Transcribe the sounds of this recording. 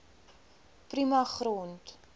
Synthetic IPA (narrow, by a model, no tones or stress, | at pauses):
primɐχrɔnt